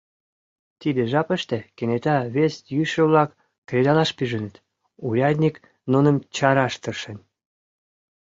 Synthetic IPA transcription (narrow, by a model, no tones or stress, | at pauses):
t̪id̪eʒɑpəʃt̪ĕkenet̪ɑβest̪jyʃə̆βlɑkː | red̪ɑlɑʃpyʒə̆nət̪ | ujɑd̪ʲnʲik | nunəmt͡ɕɑɾɑʃt̪ərʃen